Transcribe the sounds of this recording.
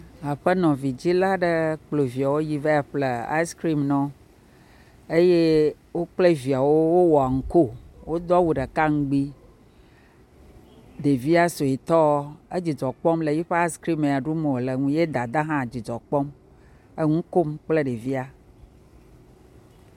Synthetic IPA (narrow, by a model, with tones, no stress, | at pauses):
a˨ɸe˦nɔ̃˨vi˨d͡ʑi˦la˦ɖə˦k͡plo˨vi˨a˨wo˦ji˦ve˦a˨ɸle˨a̰˦i˦skɾi˦mnɔ̃˦ | e˦je˦ | wo˦k͡ple˦vi˨a˨wo˦wo˦wɔ˨a˨ŋ̩˨ko˦˨wo˦d̪ɔ˦wu˨ɖə˨ka˦ŋ̩˦ɡ͡bi˦ | ɖe˨vi˦a˦so˨i˨t̪ɔ˦e˦d͡ʑi˨d͡ʒɔ˨k͡pɔ˦mle˨ji˦ɸe˦a˦skɾi˦me˨a˨ɖu˦mẽ˨le˨ŋũ˦je˦d̪a˨d̪a˦ɦã˦˨d͡ʑi˨d͡ʒɔ˨k͡pɔ˦m | e˦ŋũ˦ko˦mk͡ple˦ɖe˨vi˦a˦